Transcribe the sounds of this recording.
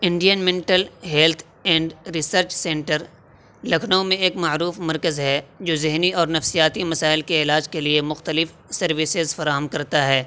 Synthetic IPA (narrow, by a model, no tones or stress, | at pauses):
ɪ̃ɳɖijənmẽːɳʈəlɦɛːlt̪ʰ | ɛ̃ːɳɖɾɪsəɾt͡ʃsɛ̃ːɳʈəɾ | lɐkʰnəõmẽeːkmaːɾuːfmɐɾkəzɦɛd͡ʒoːzɪɦniɔːɾnɐfsijaːt̪imɐsaːɪlkeɪlaːd͡ʒkeliemʊxt̪əlɪf | sɐɾʋɪsɪzfɐɾaːɦəmkɐɾt̪aɦɛː